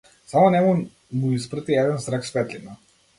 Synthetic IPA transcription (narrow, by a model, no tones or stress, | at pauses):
samɔnɛmu | muispɾat̪iɛd̪ɛnzɾaksfɛt̪lʲina